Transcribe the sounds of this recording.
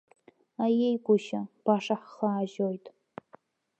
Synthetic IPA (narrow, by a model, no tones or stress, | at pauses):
ajejɡʷʊʃab̥aʂaħχaːʒojtʼ